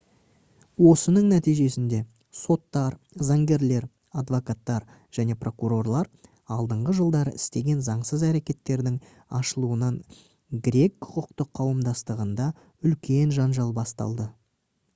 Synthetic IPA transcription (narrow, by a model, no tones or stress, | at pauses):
wo̞sənəɴnæt̪ijʒe̞sɪnd̪e̞ | so̞t̪ːɑɾ | zɑŋɡʲe̞ɾle̞ɾ | ad̪vo̞kat̪ːɑɾ | ʒ̥æne̞pro̞kuɾo̞rlˠɑɾ | ɑlˠd̪əɴʁəʒəlˠd̪ɑɾəʔɪst̪e̞ɡʲe̞nzɑɴsəzæɾe̞kʲe̞t̪ːe̞ɾd̪ɪŋ | ɑ̰ʃəlˠuənɑɴ | ɡɾʲe̞kːʰʊ̥qʊqt̪əqʰːɑwəmd̪ɑst̪əʁənd̪ɑ | ʏlkʲe̞nʒɑnʒɑlˠbɑst̪ɑ̰lˠd̪ə